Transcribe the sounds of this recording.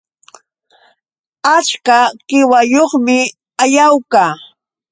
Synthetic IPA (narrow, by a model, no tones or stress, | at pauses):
at͡ʃkakɪwajoχmɪ | ajawkaː